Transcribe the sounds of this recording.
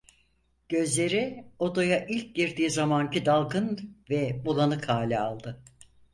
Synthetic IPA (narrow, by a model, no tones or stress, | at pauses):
ɟ̥ø̞zlʲe̞ɾiod̪ojaʔilʲc̚ɟiɾd̪iːzamancid̪alˠɡɯnvɛbulˠanɯkʰaːlʲia̰lˠd̪ɯ